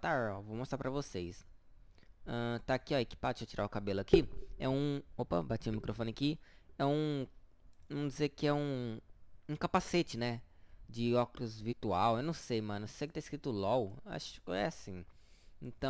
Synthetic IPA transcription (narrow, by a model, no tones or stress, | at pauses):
t̪aɾɔvowmost̪ɾapɾɐvosejs | ɐ̃t̪aːkiɔikɪ̥paot͡ʃiɾaʊkabelʊakiɛ̰ũopɐ̰bat͡ʃĩʊmikɾofõnɪakiɛũ | vɐ̃md͡ʒɪzeɾkɪɛũ | ũkapaset͡ʃɪnɛd͡ʒɪɔkɾʊzviɾt̪uawewnɐ̃w̃sejmɐ̃nʊsejɐkɪt̪ãiskɾit̪ʊlɔwa̰ʃʊ̥kɛ̰asĩẽt̪ɐ̃